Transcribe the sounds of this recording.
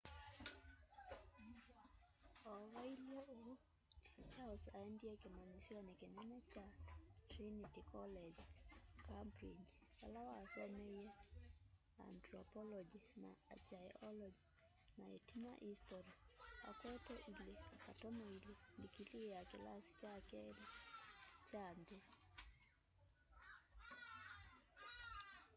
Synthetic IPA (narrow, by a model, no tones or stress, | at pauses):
ɔwailieu | t͡ʃawsaɛndiɛkimaɲisiɔnikinɛnɛt͡ʃatɾinitikɔlɛd͡ʒkampɾid͡ʒwalawasɛmɛijɛ | a̰ntɾɔpɔlɔd͡ʒina̰a̰t͡ʃajɔlɔd͡ʒi | naetima̰ʔistɔɾia̰kwɛtɔʔilekatɔmɔilendikilijakḭlasi̥t͡ʃakɛli | t͡ʃand̪e